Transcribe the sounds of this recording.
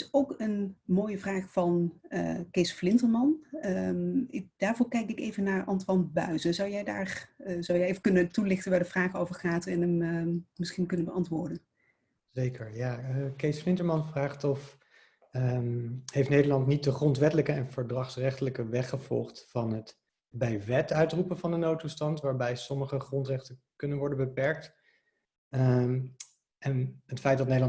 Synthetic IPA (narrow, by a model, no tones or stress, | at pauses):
ɪsowkənmoːjəvraːχfɑnə̰kejsflɪntəɹmɑn | ɪd̥aːɹvʊːɹkɛjkɪkḛjvənːaːɹʔɑntʋɑnbœ̰ɥzəzɑwjɛjda̰ːrzɑwjɛjejvəkɵnətulɪχtənʋaːɹdəvraːχəowvəɹχaːtɛnəmmɪsχinkɵnənbəɑntʋʊːɹdən | zejkəɹjaːəkejsflɪntəɹmɑnvraːχtɔf | hejftnejdəɹlɑntnit̚dəχrɔntʋɛtələkəɛnv̥əɹdrɑχsrɛχtələkəʋɛχəv̥ɔ̰lˠχtfɑnɦət | bɛjʋɛtœɥtrupənvɑndənowtustɑntʋaːɹbɛjsɔməχəχrɔntrɛχtən | kɵnənʋɔɹdənbəpɛɹk̚t | ɛnɦətfɛjt̚dɑtnejdəlɑ